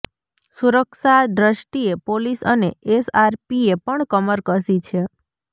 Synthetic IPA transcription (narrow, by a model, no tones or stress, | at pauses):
suɾəkʃad̪ɾəʃʈiepolisəneesaɾpiepəɳkəməɾkəsit͡ʃʰe